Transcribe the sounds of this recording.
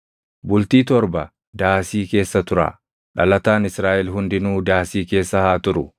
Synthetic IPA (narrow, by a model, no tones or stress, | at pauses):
bʊlt̪iːt̪ɔɾbɐ | d̪aːsiːke̞ːsːɐt̪ʊɾa̰ː | ᶑɐlɐt̪aːnɪsɾaːʔɛlɦʊnd̪ɪnuːd̪aːsiːke̞ːsːɐhaːt̪ʊɾʊ